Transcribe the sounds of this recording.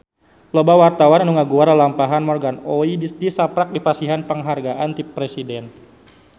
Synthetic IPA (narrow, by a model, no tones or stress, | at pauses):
lɔbawart̪awananuŋaɡuaɾalampaɦanmɔrɡanoidisdisapɾak̚dipasiɦanpəŋɦarɡaʔant̪ipɾesidɛn